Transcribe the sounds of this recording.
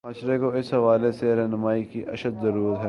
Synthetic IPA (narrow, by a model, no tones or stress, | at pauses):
maːʃɾekoɪsɦɐʋaːleseɾɛːnʊmaːikiʔɐ̰ʃəd̪zɐɾuːɾət̪ɦɛː